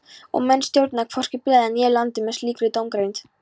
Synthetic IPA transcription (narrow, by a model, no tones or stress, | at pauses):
ɔ̰ɣmɛnːst̪jowɾt̪nakʰfɔr̥cɪplɛːðanjɛːlant̪ɪmɛsliːkɾɪt̪owmkɾejnt̪